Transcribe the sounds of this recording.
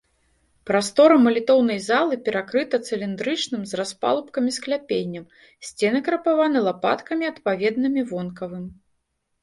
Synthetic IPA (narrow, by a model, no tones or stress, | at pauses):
pɾast̪ɔɾɐmɐlʲit̪ɔwnɐjzalˠɨpʲɛɾakɾɨt̪ɐt̪sɨlʲind̪ɾɨt͡ʂnɨmzraspa̰lˠupkɐmʲisklʲapʲenʲːɐm | sʲt͡sʲɛnɨkɾɐpavanɨlˠapa̰t̪kɐmʲiɐt̪pavʲɛd̪̚nɨmʲivɔnkɐvɨm